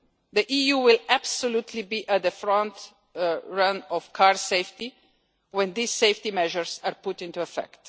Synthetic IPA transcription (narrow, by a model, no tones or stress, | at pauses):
ðiʔijuwɪlæb̥sɔlut̪ʰlibiʔət̪̚ðəfɹɔ̃nt | ɹʌ̃nɔv̥kʰaɹseɪfti | wɛ̃nðisːeɪftimɛʒəɹzaɹpʊtɪ̃ntuɛfɛ̰kt